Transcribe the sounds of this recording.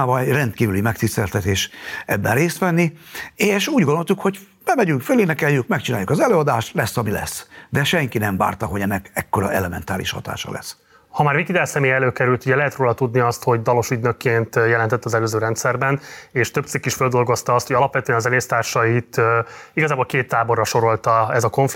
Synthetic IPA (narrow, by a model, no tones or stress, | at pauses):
avɒɛjrɛnt̪kiːvylimɛkt̪ist̪ɛlt̪ɛt̪eːʃɛbːɛnreːst̪ʋɛnːieːʃuːɟɡono̞lt̪ukho̞ɟb̥ɛmɛɟyŋkføleːnɛkɛjːykmɛkt͡ʃinaːjukɒzɛløːɒd̪aːʃt̪lɛsːɒmilɛ̰sːd̪ɛʃɛŋkinɛɱva̰ːrt̪ɒɦo̞ɟɛnːɛkɛkːo̞ɾɒ̰ʔɛ̰lɛmɛ̰nt̪aːlḭʃhɒ̰t̪a̰ːʃɒ̰lɛ̰s | hɒmaːrvikid̪ɛlsɛmeːjɛløːkɛɾylt̪uɟɛlɛɦɛt̪roːlɒt̪ud̪niɒst̪ho̞ɟd̪ɒlo̞ʃyd̪nøkːeːnt̪jɛlɛnt̪ɛt̪ːɒzɛløːzøːɾɛnt̪sɛrbɛneːʃt̪øbt̪sikːiʃføld̪o̞lɡo̞st̪ɒɒst̪hoɟɒlɒpʋɛt̪øɛnɒzɛleːst̪aːrʃɒit̪iɡɒzaːbo̞lkeːt̪ːaːbo̞rːɒʃo̞ɾo̞lt̪ɒɛzɒkonf